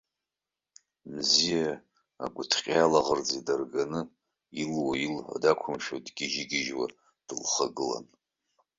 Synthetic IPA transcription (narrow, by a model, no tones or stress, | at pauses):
mzija̰ː | ɡʷʊtʰqʲʼjalaʁərd͡zedarɡanɨ | ilwailħa̰dakʷʰʊmʃodɡʲɪʒiɡʲɪʒwa̰ | d̥ɨlχaɡɨla̰n